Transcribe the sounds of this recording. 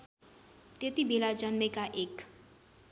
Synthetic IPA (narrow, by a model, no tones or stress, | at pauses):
t̪et̪ibelad͡ʒənmẽkaʔek